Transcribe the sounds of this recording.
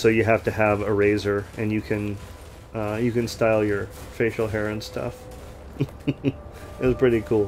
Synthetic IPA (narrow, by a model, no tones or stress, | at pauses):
soʊjɨɦæftɨəvɨɹeɪzə˞ʔɨ̃njɨkʰɨ̃n | ʌjɨkɨ̃nstaɪlˠjə˞feɪʃl̩ˠɦɛɹɨ̃nstʰʌ̰f | ɨtz̥pʰɹ̥ɪɾikʰulˠ